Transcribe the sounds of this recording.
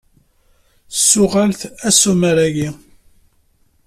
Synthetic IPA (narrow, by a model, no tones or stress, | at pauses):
sːʊʁalθæsuməɾæʝi